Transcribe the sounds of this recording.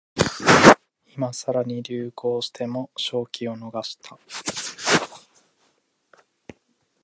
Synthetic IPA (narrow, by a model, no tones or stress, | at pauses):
imasaɾaɲ̟iɾʲɨːkʰo̞ːɕi̥t̪ʰe̞mo̞ɕo̞ːkʲʰio̞no̞ɡaɕi̥t̪ʰa